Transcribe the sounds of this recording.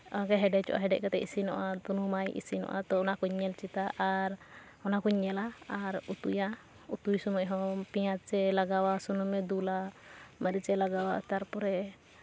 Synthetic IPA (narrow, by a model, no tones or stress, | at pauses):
ɔakɛɦɛɖɛt͡ʃɔ̰ʔa̰ɦɛɖɛʔ̚kat̪ɛisinɔʔat̪unumajʔḭsinɔ̰ʔa̰t̪ɔɔnakuɲːɛlt͡ʃit̪aʔaɾ | ɔnakuɲːɛlaːɾut̪uja | ut̪ujsɔmɔjɦɔ̃pijat͡ʃɛlaɡawasɔnumɛd̪ulaməɾit͡ʃɛlaɡawa̰t̪aɾpɔɾɛ